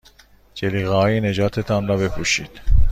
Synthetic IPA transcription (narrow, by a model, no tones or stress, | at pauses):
d͡ʒeliːɣæɦɒːjened͡ʒɒːt̪ʰet̪ʰɑnɾɒbe̞pʰuʃiːd̪̥